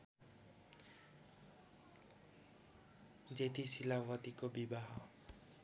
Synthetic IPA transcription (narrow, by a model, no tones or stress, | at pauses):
d͡zet̪ʰisilawʌt̪ikobibaɦʌ